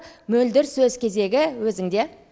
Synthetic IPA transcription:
mɵld̪ɪɾsɵzkʲʰe̞ze̞ɡʲɪwɵzɪŋd̪e̞

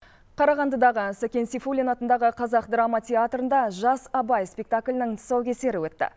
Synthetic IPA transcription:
qʰɑɾɑʁɑnd̪əd̪ɑʁəsakʲe̞nsifulʲinɑt̪ənd̪ɑʁəqʰɑzɑqd̪ɾamɑt̪ʰʲeat̪rənd̪ɑʒɑsɑbɑjspʲe̞k̚t̪akʲlʲɪnɪŋt̪ʰə̥sɑwkʲʰe̞se̞ɾɪwɵt̪ːɪ̰

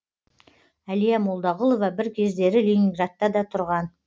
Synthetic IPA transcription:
ælijæmolˠd̪ɑʁəlˠo̞vɑbɪɾkʲʰe̞zd̪e̞ɾɪlʲinʲiŋɡɾat̪ːɑd̪ɑt̪ʰʊɾʁɑn

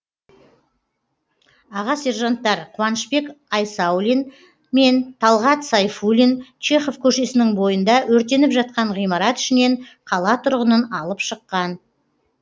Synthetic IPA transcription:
ɑʁɑse̞rʒant̪ːɑɾqʰʊwɑnəʃpe̞kɑjsɑwlʲin | me̞nt̪ʰɑlˠʁɑt̪sɑjfulʲint͡ʃe̞χo̞vkʲʰɵʃe̞sɪnɪŋbo̞jənd̪ɑwɵɾt̪e̞nɪpʒɑt̪̚qɑɴʁijmɑɾɑt̪ʏ̥ʃɪne̞ɴqʰɑlˠɑt̪ʰʊɾʁənənɑlˠəpʃəqːɑn

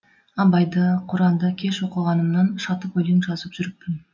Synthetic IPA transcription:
ɑbɑjd̪əqʰʊɾɑnd̪əkʲʰe̞ʃwo̞qəlˠʁɑnəmnɑnʃɑt̪əpwɵlemʒɑzəpʒ̥ʏɾɪp̚pɪn

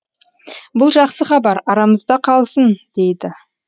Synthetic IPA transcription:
bʊlˠʒɑqsəχɑbɑɾɑɾɑməzd̪ɑqʰɑlˠsənd̪̥e̞jd̪ɪ

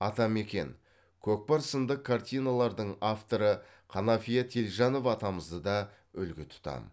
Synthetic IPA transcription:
ɑt̪ɑme̞kʲe̞̰n | kʲʰɵk̚pɑɾsənd̪əqʰːart̪ʲijnalˠɑɾd̪əɴaft̪o̞ɾə | qʰɑnɑfijat̪ʰe̞lʒɑno̞vɑt̪ɑməzd̪əd̪ɑ | ʏlɡʲɪt̪ʰʊ̥t̪ɑ̰n

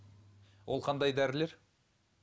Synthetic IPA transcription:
wʔolˠqʰɑnd̪ɑjd̪æɾɪle̞ɾ

